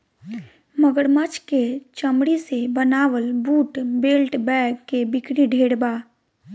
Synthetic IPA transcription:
məɡəɽmət͡ʃket͡ʃəmɽisebənaːʋəlbuːʈbeːlʈbɛːɡkːebɪkɽiɖʱeːɽbaː

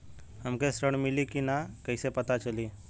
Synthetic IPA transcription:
həmkesɾəɽ̃mɪlikinakəɪsepət̪at͡ʃəliː

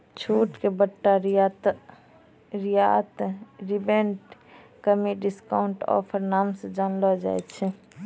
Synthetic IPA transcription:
t͡ʃʰuʈkebəʈːaɾt̪ | ɾijat̪ɾibeɳʈ | kəmiɖiskaʊɳʈɔ̰pʰəɾnaːmsed͡ʒanlɔd͡ʒa̰jt̪t͡ʃʰɛ

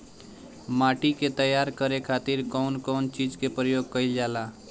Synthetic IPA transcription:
maʈiket̪əjaːɾkəɾekʰat̪iɾkɔʊnkɔːnt͡ʃid͡ʒkepɾəjoːɡ̚kəɪld͡ʒaːla

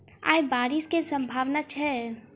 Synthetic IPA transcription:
a̰ːjbaːɾɪskesə̃mbʱaːʋnat͡ʃʰɛ

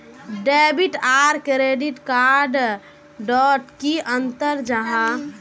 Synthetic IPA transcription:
ɖebiʈaɾkɾeɖiʈkaɾɖ | ɖɔʈkiənt̪əɾd͡ʒəɦã

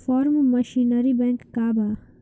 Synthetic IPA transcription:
fɔːɾmːɐʃinəɾibɛ̃ŋkːaːba

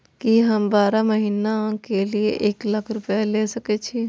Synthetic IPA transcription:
kiɦəmbaːɾaməɦiːnakelieʔeːklakʰɾʊpjalesəkɛt͡ʃʰi

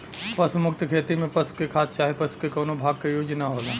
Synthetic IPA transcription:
pɐsumʊk̚t̪kʰeːt̪imẽpɐsu̥kekʰaːt̪̚t͡ʃaːɦepɐsu̥kekɔːnobʱaːɡ̚kejoːd͡ʒnaɦoːlaː

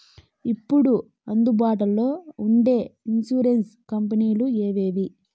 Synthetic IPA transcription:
ipːuɽu | ɐnd̪ubaːʈɐlːo̞ːuɳɖe̞ːinsuːɾenskɐmpɐniːlueːʋe̞ːʋi

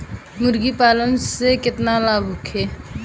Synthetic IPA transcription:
mʊɾɡipaːlənsekɪt̪nalaːbʱʊkʰeː

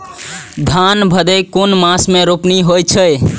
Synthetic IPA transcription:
d̪ʱanbʱəd̪əjkonmasmeɾopniɦojt͡ʃʰəj

